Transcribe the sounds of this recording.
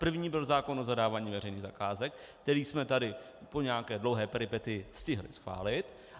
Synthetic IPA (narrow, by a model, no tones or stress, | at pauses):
pr̩vɲiːbɪlzaːko̞nʔo̞zadaːvaːɲiːvɛrɛjniːɣzakaːzɛk | kt̪ɛɾiːsmɛt̪adɪ | po̞ɲɛakɛːdlo̞wɦɛːpɛɾɪpɛt̪ɪjɪscɪɦlɪ̰sxva̰ːlɪt̪